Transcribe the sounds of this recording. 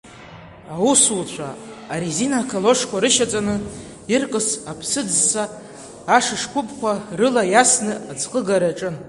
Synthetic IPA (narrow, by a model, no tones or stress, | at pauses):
awusult͡ɕʷʰa̰ː | ɾizinakʰalo̞ʂkʷaɾɨʃat͡sʼanɨ | irkʼɨsapʰsɨd͡zsaː | ʂɨʂkʷʰʊpʰʼkʷʰarɨlajasnɨad͡zqʼəɡaɾaʈ͡ʂʼɨn